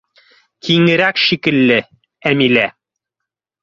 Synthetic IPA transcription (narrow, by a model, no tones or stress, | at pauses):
kiŋɘ̆ɾækʃikɘ̆lːɘ | æmilæ